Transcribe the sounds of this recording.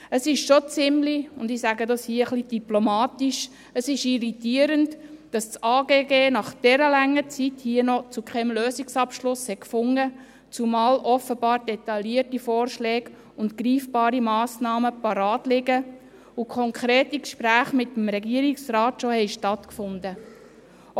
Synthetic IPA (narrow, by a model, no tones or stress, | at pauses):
əsɪʃʃot͡sɪmliʊndɪsæɡədɑshiəəχlid̥iplomɑːt̪iʃ | əsɪʃiɾitiəɾəntd̥ɑst͡sɑːɡeːɡeːnɑχd̥ɛɾəlɛŋːət͡sithiənɔt͡sukʰχɛmløːsɪksɑpʃlʊshɛkfʊŋə | t͡sumɑːlʔɔfəbɑːɾd̥ɛt̪ɑliətifɔːrʃlɛːɡ | ʊntkɾiːfb̥ɑːɾimɑːsnɑːməpɑɾɑːtlɪɡə | ukʰɔŋkʰɾɛːtikʃpɾæːχmɪtəm̩ɾɛɡiəɾiksɾɑːtʃɔhɛɪʃtɑt̪kfʊndə